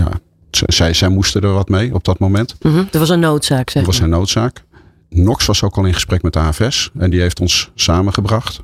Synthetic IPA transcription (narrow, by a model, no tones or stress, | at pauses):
ja̰ | sɛsɛjzɛjmustədəɹʋɑtmejɔb̚dɑtmowmɛnt̩ətʋɑsənːowtsaːksɛtʋɑsənːowtsaːk | nɔksʋɑsowkɑlˠɪnχə̥sprɛkmɛtaːɛfɛsɛndiɦejftɔnsːaːmənχəbrɑχt